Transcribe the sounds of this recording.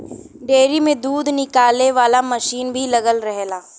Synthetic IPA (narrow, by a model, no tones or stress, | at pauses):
ɖeːɾimẽd̪uːd̪nɪkaːleʋaːlamɐʃiːnbʱilɐɡəlɾɛɦlaː